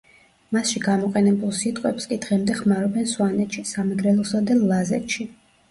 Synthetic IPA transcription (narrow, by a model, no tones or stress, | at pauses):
masʃiɡamɔqʼɛnɛbulˠsit̪ʼqʼwɛpskʼid̪ʁɛmd̪ɛχmaɾɔbɛnswanɛt̪ʃisamɛɡɾɛlˠɔsad̪ɛlazɛ̰t̪ʃi